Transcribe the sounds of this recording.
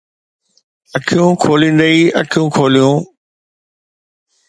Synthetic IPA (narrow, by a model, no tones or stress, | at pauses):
əkʰijũːkʰoːlĩːnd̪əiːəkʰijũːkʰoːlijũː